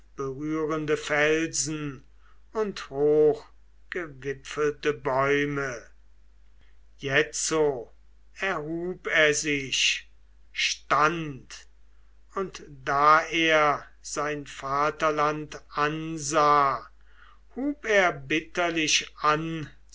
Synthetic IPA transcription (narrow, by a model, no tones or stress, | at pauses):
b̥əʁyːʁəndəfɛlzn̩ | ʊnthoːx | ɡ̥əvɪpfəltəbɔʏmə | jɛt͡so | ɛɐɦuːpeːɐzɪʃ | ʃtant | ʊntd̥aːeːɐ | z̥aɪnfaːtɐlantʔanzaː | huːpeːɐbɪtɐlɪʃan